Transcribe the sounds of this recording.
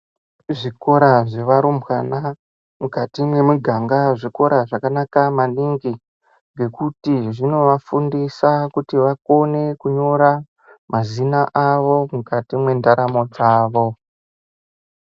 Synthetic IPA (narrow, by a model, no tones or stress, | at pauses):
ʐiko̞ɾaʐe̞ʋaɾumbwana | mukatimwe̞muɡʱaŋɡaʐiko̞ɾaʐakanakamaniŋɡi | ŋɡe̞kutiʐino̞ʋafundisakutiʋako̞ne̞kuɲo̞ɾa | mazinaʔaʋo̞mukatimwe̞ndaɾamo̞d͡zaːʋo̞